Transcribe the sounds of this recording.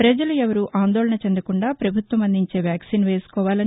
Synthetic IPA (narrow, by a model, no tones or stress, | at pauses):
pɾɐd͡ʒɐluɛʋɐɾuʔaːnd̪ɔːɭɐɳɐt͡ʃend̪ɐkuɳɖaːpɾɐbʱut̪ʋɐmɐnd̪iɲt͡ʃe̞ːʋjaːksiːnʋe̞ːsu̥kɔːʋaːlɐn